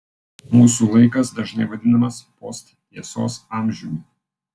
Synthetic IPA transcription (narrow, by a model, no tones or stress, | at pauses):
muːsuːlˠɐɪkɐsd̪ɐʒnɐɪʋɐd̪ʲɪnɐmɐspɔst̪t̪ʲiɛso̰ːsɑːˑmʲʒʲumʲ